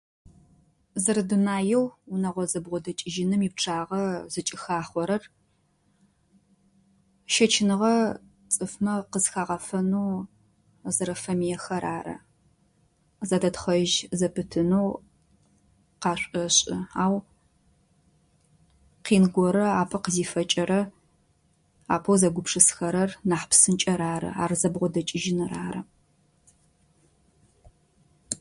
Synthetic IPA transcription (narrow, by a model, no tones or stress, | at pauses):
zɨɾɨdunaːjɛwunɐʁʷɔzɐbʁʷɔdɐt͡ʃʼɪʒɪnɨmiːp̚ʈ͡ʂʰaːʁɐz̥ɨt͡ʃʼɪxaːχʷɔɾɐr | ʃɐt͡ʃʰɪnɨʁɐ | t͡sʼɨfmɐqəzxaːʁɐfɐnuː | zɨɾɐfɐmijɛxɐɾaːɾɐ̰ | zadɐtχɐʒzɐpʰɨtʰɨnow | qɑːɕʷʼɐɕʼɪ̰aːw | qiːnɡʷɔɾɐaːpʰɐqəziːfɐt͡ʃʼɐɾɐ | a̰ːpʰowzɐɡʷʊpʰʂɨsxɐɾɐrnaːħpsɨnt͡ʃʼɐɾaːɾɐ̰a̰ːrzɐbʁʷɔdɐt͡ʃʼɪʒɪnɨraːɾɐ